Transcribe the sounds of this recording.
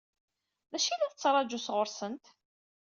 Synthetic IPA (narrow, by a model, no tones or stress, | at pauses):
ðæʃilæðət͡sːɾˤɑd͡ʒusʁʊɾsənt̪